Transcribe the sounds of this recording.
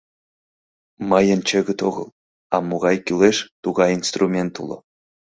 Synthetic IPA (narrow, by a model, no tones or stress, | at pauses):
mɑjənt͡ɕeɣə̆t̪oɣɤ̰̆lˠ | ɑmoɣɑjkyleʃt̪uɣɑjinst̪rumʲent̪ṵlˠɤ̰̆